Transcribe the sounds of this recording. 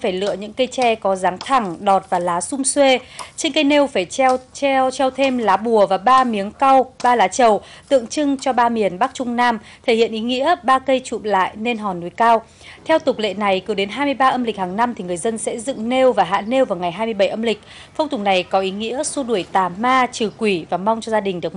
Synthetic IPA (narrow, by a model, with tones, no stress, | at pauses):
faː˧˩jlɨ̰˧˨əɲɨ̰˧˥ŋkə˧jt͡ɕɛ˧kɔ˨˦zaː˨˦ŋt̪ʰa˧˩ŋɗɔ˨˩t̚vaː˨˩laː˨˦sʊ˧ŋ͡mswe˧t͡ɕe˧nkə˧jne˧wfaː˧˩jt͡ɕɛ˧wt͡ɕɛ˧wt̪ʰe˧mlaː˨˦ɓu˧˩əvaː˨˩ɓaː˧mi˨˦əŋka˧wɓaː˧laː˨˦t͡ɕə˨˩wt̪ɨ̰˧˨əŋt͡ɕɨ˧ŋt͡ɕɔ˧ɓaː˧mi˨˩ənɓa˦˥k̚t͡ɕʊ˧ŋ͡mnaː˧m | t̪ʰe˧˩hḭ˧˨ənʔi˨˦ŋḭ˧˥əɓaː˧kə˧jt͡ɕṵ˧˨mla̰ː˧˨jne˧nɦɔ˨˩nːu˨˦jkaː˧w | t̪ʰɛ˧wt̪ʊ˨˩k͡p̚lḛ˧˨na˨˩jkɨ˨˦ɗe˨˦nɦaː˧jmɨ˧əjɓaː˧ʔə˧mlï˨˩k̟haː˨˩ŋna˧mt̪ʰi˨˩ŋɨ˨˩əjzə˧nsɛ̰˧˥zɨ̰˧˨ŋne˧wvaː˨˩ɦa̰ː˧˥ne˧wvaː˨˩wŋa˨˩jɦaː˧jmɨ˧əɓə˧˩jʔə˧mlï˨˩k̟̚ | fə˧wŋ͡mt̪ʰʊ˨˩k͡p̚na˨˩jkɔ˨˦ʔi˨˦ŋḭ˧˥əso˧ɗu˧˩əjt̪aː˨˩maː˧t͡ɕɨ˨˩kwi˧˩vaː˨˩ma˧wŋ͡mt͡ɕɔ˧zaː˧ɗï˨˩ŋ̟ɗɨ˨˩ək